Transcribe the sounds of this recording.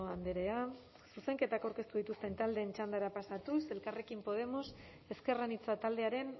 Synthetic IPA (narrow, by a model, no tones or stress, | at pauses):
oand̪eɾe̞a | suse̞ŋke̞t̪akawɾke̞st̪uð̞it̪ust̪e̞nt̪ald̪e̞ːnt͡ʃand̪aɾapasat̪use̞lkare̞kimpo̞ð̞e̞mo̞s | e̞ske̞ranit͡sat̪ald̪e̞aɾe̞n